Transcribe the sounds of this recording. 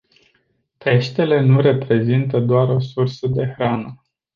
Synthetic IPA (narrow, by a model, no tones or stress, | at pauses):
p̪e̞ʃt̪e̞le̞nuɾe̞pɾe̞zint̪əd̪oaɾo̞sursəd̪e̞xɾanə